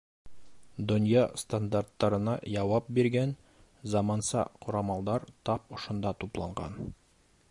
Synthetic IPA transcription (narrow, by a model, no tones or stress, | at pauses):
d̪ŏnjɑst̪and̪art̪ːɑɾɤ̆nɑjɑwɑp̚biɾɡæn | zɑmɑnsɑ̰qoɾɑmɑlˠd̪ɑɾt̪ɑp̚ŏʃŏnd̪ɑt̪uplˠɑ̰ɴɢɑ̰n